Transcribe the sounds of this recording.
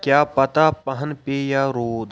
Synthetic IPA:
kjaːpɐt̪aːpɐɦənpeːjaːɾoːd̪

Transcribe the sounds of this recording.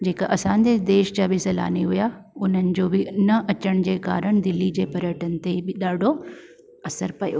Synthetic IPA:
d͡ʑeːkɐʔɐsãːɲd͡ʑed̪eːʃd͡ʑaːbɪsɐla̰ːniɦʊjaʊn̤ənɪ̆d͡ʑoːbɪnɐʔɐt͡ɕəɽ̃d͡ʑeːka̰ːɾəɽ̃d̪ɪlːid͡ʑeːpɐɾjəʈənɪ̆t̪ebɪɗaːɖʱo | ɐsəɾpɐjo̰ː

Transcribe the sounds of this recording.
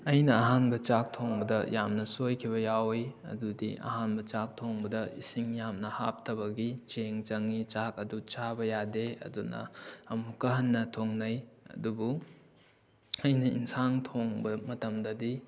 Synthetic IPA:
ɐjnɐːɦanbɐt͡ʃak̚tʰoŋbɐdɐjamnɐsojkʰibɐjawjɐ̰dudiʔɐ̰ɦanbɐt͡ʃak̚tʰoŋbɐdɐisiŋjamnɐha̰p̚tʰɐbɐɡit͡ʃeŋt͡ʃɐŋit͡ʃakɐdut͡ʃabɐjadeɐ̰dunɐ̰ɐmukɐɦɐnːɐtʰoŋnɐjɐ̰dubu | ɐjnɐḭnsaŋtʰoŋbɐmɐtɐmdɐdi

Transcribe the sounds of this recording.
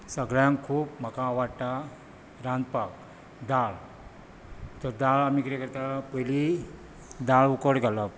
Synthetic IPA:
səɡɭjãŋkkʰuːpm̤əkãʋaɽʈ̪a | ɾãnd̪pak | d̪aɭ | t̪əɾd̪aɭamikəɾekəɾt̪apəli | d̪aɭukəɽɡʱalɔp

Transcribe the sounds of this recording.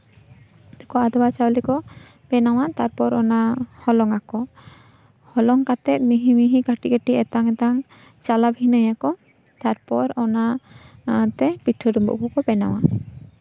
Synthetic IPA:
t̪ɔkɔad̪ɔbat͡ʃawlɛkɔ | bɛnaw̃at̪aɾpɔɾɔnahɔlɔŋakɔ | hɔlɔŋkat̪ɛt̪̚miɦimiɦikaʈikəʈiɛt̪aŋɛt̪aŋ | t͡ʃalabʱinəjakɔ | t̪aɾpɔɾɔna | t̪ɛpiʈʰːɔɾumbṵʔbɔkɔbɛna̰w̃a

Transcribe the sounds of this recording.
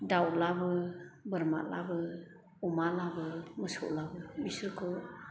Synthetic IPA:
dawlabɯbəɾma̰la̰bɯ | umalabɯməsɔ̰ʔlabɯbisəɾkʰɯ

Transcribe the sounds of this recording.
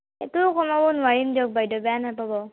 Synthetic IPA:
ɛ̰tukɔmabɔnuwaɹimdiɔk̚bajdɔbɛjanapabɔ

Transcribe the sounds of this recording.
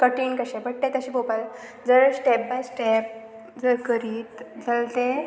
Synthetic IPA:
kəʈiːnkəɕebəʈ̚ʈet̪əɕiːbopal | d͡zəɾsʈep̚bajsʈep̚ | d͡zəɾkəɾiːt̪d͡zalt̪e

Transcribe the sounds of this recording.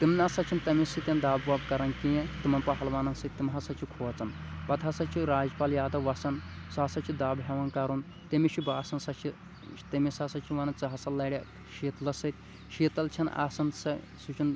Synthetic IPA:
t̪imnasɐt͡ʃʰint̪ɐmisit̪ʲɐnd̪aːbʋɐːbkɐɾɐnkijẽt̪imɐnpɐɦɐlʋaːnɐnsɨt̪̚ʲt̪ːimɦɐsɐt͡ʃʰikʰoːt͡sɐnbɐt̪ʰasɐt͡ʃʰiɾaːd͡ʒpaːljaːd̪ɐʋɐsɐnsaːsɐt͡ʃʰid̪aːbɦɐʋɐnkɐɾun | t̪ɐmiʃibaːsɐnsɐt͡ʃʰi | t̪ɐmisaːsɐt͡ʃʰiʋɐnɐnt͡sɐɦɐsɐlːɐɽʲɐ | ʃiːt̪lɐsɨt̪̚ʲ | ʃiːt̪ɐlt͡ʃʰɐna̰ːsɐnsɐ | sut͡ʃʰun

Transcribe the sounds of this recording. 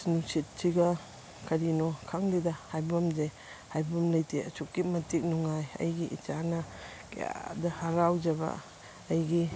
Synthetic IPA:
snusit̚sʰiɡɐ | kʰɐɾinɔkʰaŋlidahajbamze | hajbamlɐjtʰeɐ̰t͡ʃukːimɐtik̚nuŋajɐ̰jɡiʔḭt͡ʃanɐ | kḛja̰dɐhaɾawd͡ʒɐba̰ː | jɡi

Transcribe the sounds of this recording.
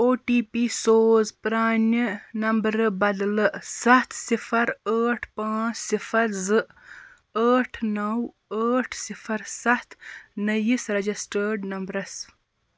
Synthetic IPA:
oːʈiːpisoːzpɾaːninɐmbɾɨbɐd̪lɨsɐht̪ʰsifɐɾaːʈʰpãːsifɐɾzɨ | aːʈʰnɐw | aːʈʰsifɐɾsɐht̪ʰnɐjisɾɐd͡ʒisʈəɖnɐmbɾɐs

